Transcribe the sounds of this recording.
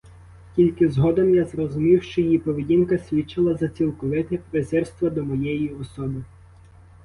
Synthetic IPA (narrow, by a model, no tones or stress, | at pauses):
kʲilʲkɪzɦɔd̪ɐmjazrɔzʊmʲiwʃt͡ʃt͡ʃɔjjipɔʋedʲinkɐsʲʋʲit͡ʃːɪlˠɐzɐt͡sʲilˠkɔʋɪt̪ʲɛpɾezɛrst̪ʋɐd̪ɔmɔjɛjiɔsɔbɪ